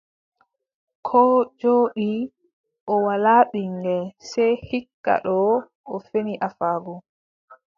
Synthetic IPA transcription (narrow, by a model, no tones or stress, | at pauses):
kʰɔːd͡ʒoːɗi | ʔɔwalaːɓiŋɡɛsɛjhikːa̰ɗɔ | ʔɔfeniʔafaːɡɔ